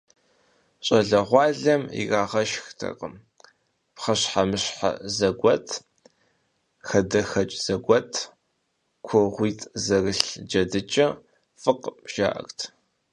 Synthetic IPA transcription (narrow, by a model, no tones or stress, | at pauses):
ɕʼɐɮɐʁʷɑːɮɐmḭraːʁɐʃxtʰɐ̰qʼəm | pχɐɕħamɨɕħa̰zɐɡʷɔtʰ | xɐdɐxɐt͡ʃʼz̥ɐɡʷɔtʰ | kʷʰɔʁʷiːtʰʼzɐrɨɬd͡ʒɐdɨt͡ʃʼɐ | fɨqʒ̥a̰ːʔɐ̰rtʰ